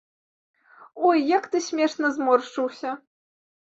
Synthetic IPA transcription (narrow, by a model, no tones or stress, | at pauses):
ɔjːakt̪ɨsʲmʲɛʂnɐzmɔrʂt͡ʂɨwsʲɐ